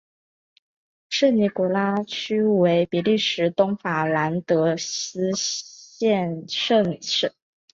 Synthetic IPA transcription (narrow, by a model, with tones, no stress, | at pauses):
ʂɻ̩˥˩ni˧˥ku˨˧˩la˥t͡ɕʰy˥we˧˥ɪpi˨˥li˥˩ʂɻ̩˧˥t̪ʊ˥ŋfa˨˩la˧˥nt̪ɤ˧˥ɕɹ̩˥ɕjɛ˥˧nʂə˥˧ŋʂə˥˩